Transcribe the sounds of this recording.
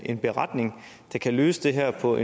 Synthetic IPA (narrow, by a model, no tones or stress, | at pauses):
e̝nb̥e̝ʁɑ̈d̥ne̝ŋd̥ɑ̈kʰælø̰ːsəd̥e̝ɦæɐ̰pʰɒ̽ʔe